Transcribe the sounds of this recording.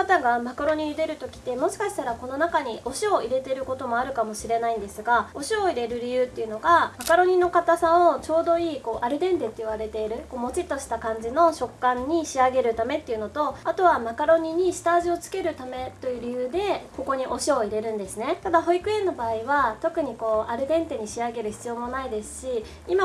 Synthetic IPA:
kat̪aɡamakɯɾo̞ɲ̟iɲid̪e̞ɾɯ̟t̪o̞kʲi̥t̪ːe̞mo̞ɕi̥kaɕi̥t̪aɾako̞no̞nakaɲ̟iʔo̞ɕio̞iɾe̞t̪e̞ɾɯ̟ko̞t̪o̞mo̞aɾɯ̟kamo̞ɕiɾe̞naĩnd̪e̞sɨɡao̞ɕio̞iɾe̞ɾɯ̟ɾʲijɯ̟ːt̪ːe̞iɯ̟no̞ɡamakaɾo̞ɲ̟ino̞kat̪asão̞t͡ɕo̞ːd̪o̞iːko̞ːʔaɾɯ̟d̪ẽ̞nd̪e̞t̪ːe̞ɯβaɾe̞t̪e̞iɾɯ̟ko̞ːmo̞t͡ɕit̪ːo̞ɕi̥t̪akãɲ̟d͡ʑino̞ɕo̞kːãɲ̟ːiɕiaɡe̞ɾɯ̟t̪ame̞t̪ːeiɯ̟no̞t̪o̞at̪o̞βamakaɾo̞ɲ̟iɲ̟iɕɨ̥t̪aʑio̞t͡sɨ̥ke̞ɾɯ̟t̪ame̞t̪o̞jɯ̟ɾʲijɯːd̪e̞ko̞ko̞ɲ̟iʔo̞ɕio̞iɾe̞ɾɯ̟̃nd̪e̞sɨne̞t̪ad̪aɦo̞ikɯ̟ẽ̞nːo̞baːiβat̪o̞kɯ̟ɲ̟iko̞ːaɾɯ̟d̪ẽ̞nt̪e̞ɲ̟iɕiaɡe̞ɾɯ̟çi̥t͡sɨjo̞mo̞naid̪e̞sɨ̥ɕi | ima

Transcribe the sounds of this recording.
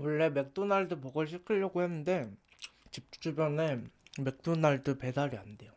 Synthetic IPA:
wʌɭːe̞me̞k̚t͈unaɭdupʌɡʌɭɕ̬ʰikʰɯʎːʌɡohenːɯnde̞ | t͡ɕip̚t͡ɕ͈ubjʌne̞me̞k̚t͈unaɭdɯpe̞daɾiande̞jo

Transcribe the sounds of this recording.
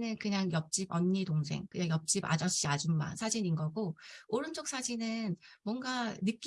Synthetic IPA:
nɯnkɯɲaŋjʌp̚t͡ɕ͈ibʌɲːitoŋsʰe̞̰ŋkɯɲaŋjʌp̚t͡ɕ͈iba̰d͡ʑʌɕ͈iad͡ʑumːa̰nsʰad͡ʑiɲinɡʌɡooɾɯnd͡ʑok̚s͈ad͡ʑinɯnmwʌŋɡanɯk͈

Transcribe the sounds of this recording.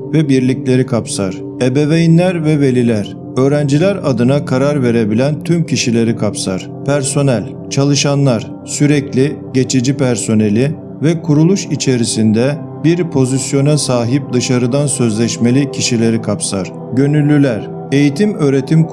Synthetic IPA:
vɛbiɾlʲiclʲe̞ɾikʰapsaɾ̥ | ebe̞vejinlʲæɾvɛve̞lʲilʲæɾ̥ | ø̞ːɾænd͡ʒilʲæɾad̪ɯnakʰaɾaɾve̞ɾe̞bilʲænt̪ʰymcʰiʃilʲe̞ɾikʰapsaɾ̥ | pʰæɾso̞nælʲ | t͡ʃʰalˠɯʃanlˠaɾ̥ | syɾɛclʲiɟe̞t͡ʃʰid͡ʒipʰæɾso̞ne̞lʲi | vɛkʰuɾulˠuʃit͡ʃʰe̞ɾisind̪ɛ | biɾpʰo̞zisjo̞nasaːɦip̚d̪ɯʃaɾɯd̪ansø̞zlʲɛʃme̞lʲicʰiʃilʲe̞ɾikʰapsaɾ̥ | ɟø̞nylʲːylʲæɾ | e̞jit̪ʰimøːɾe̞t̪ʰim

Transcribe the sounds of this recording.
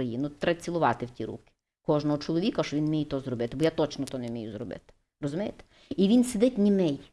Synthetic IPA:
ɾɐjinʊt̪ɾɐt͡sʲilˠʊʋɑt̪ɪwtʲiɾṵkʲɪ̥ | kɔʒnɔɦɔt͡ʃɔlˠɔʋʲikɐʃɔʋʲinmʲijɛt̪ɔzɾɔbɪt̪ɪbɔjat̪ɔt͡ʃnɔt̪ɔnɛmʲijuzrɔbɪ̰t̪ɪ̥ | rɔzʊmʲɛjt̪e̥ | iʋʲinsʲed̪ɪtʲnʲimɛj

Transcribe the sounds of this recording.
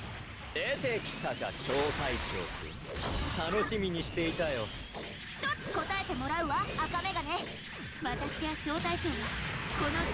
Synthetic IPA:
d̪et̪e̞kʲi̥t̪aɡa̰ɕo̞ːt̪ait͡ɕo̰ːkɨ̰ | t̪ano̞ɕimʲiɲ̟iɕi̥t̪e̞it̪ajo̞ | çi̥t̪o̞t͡sɨ̥ko̞t̪ae̞t̪e̞mo̞ɾaɯ̟βaːkame̞ɡane̞ | βat̪aɕiβaɕo̞ːt̪ait͡ɕoːɲiko̞no

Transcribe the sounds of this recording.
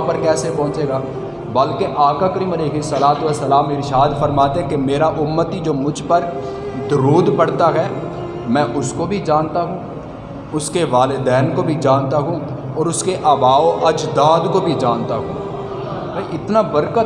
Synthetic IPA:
pəɾkɛːsepɔ̃ːt͡ʃeːɡaː | bɐlkeʔaːkakəɾiməleːkɪsəlaːd̪ʋəsːəlaːmɪɾɪʃaːd̪fəɾmaːt̪eɦɛ̃kemeːɾaʔʊmːət̪id͡ʒoːmʊd͡ʒʱpəɾ | d̪ʊɾuːd̪pɐɽ̤t̪aɦɛː | mɛ̃ːʔʊskobʱid͡ʒaːnt̪aɦũː | ʊskeʋaːlɪd̪ɛːnkobʱid͡ʒaːnt̪aɦũː | ɔːɾʊskeʔaːbaːoʔɐd͡ʒd̪aːd̪kobʱid͡ʒaːnt̪aɦṵ̃ː | bɐiʔɪt̪nabəɾkət̪

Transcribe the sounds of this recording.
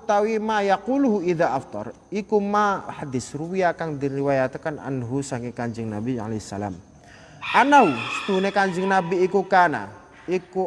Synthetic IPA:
t̪awimajaquluɦuiðaʔaft̪ˤɑ̰r | ikumaħad̪isruwijakaŋd̪iriwajat̪kanʔa̰nɦusaŋkikaɲd͡ʒəŋnabia̰lehsːa̰la̰m | ʔanawsə̥t̪uunekaɲd͡ʒəŋnabiːkukana̰ | iku

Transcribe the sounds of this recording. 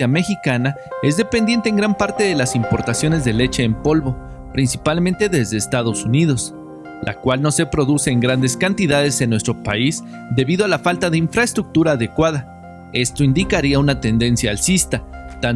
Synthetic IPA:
ame̞xikana | e̞zðe̞pe̞nd̪je̞nt̪eŋɡɾampaɾt̪e̞ðe̞lasimpo̞ɾt̪asjo̞ne̞zðe̞le̞t͡ʃe̞ːmpo̞lβo̞ | pɾinsipalmẽnt̪e̞ðe̞zðe̞ːst̪að̞o̞suniðo̞s | lʔa̰kwalno̞se̞pɾo̞ðuse̞ːŋɡɾand̪e̞skant̪iðaðe̞se̞nːwe̞st̪ɾo̞pais | d̪e̞βiðoalafalt̪aðe̞iɱfɾaest̪ɾuk̚t̪uɾaːðe̞kwaða | e̞st̪o̞ind̪ikaɾiaunat̪e̞nd̪e̞nsjaːlsist̪at̪a

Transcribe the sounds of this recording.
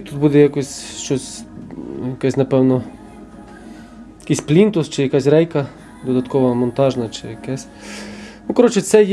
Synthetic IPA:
t̪ut̪̚bud̪ɛjakɔsʲʃt͡ʃɔsʲ | jɐkɛsʲnɐpɛwnɔ | jɐkisʲplʲint̪ʊst͡ʃɪjɐkɑsʲɾɛjkɐ | d̪ɔd̪ɐt̪kɔʋɐɐmɔnt̪ɑʒnɐt͡ʃɪjɐkɛsʲ | nukɐɾɔt͡ʃɪt̪sɛj

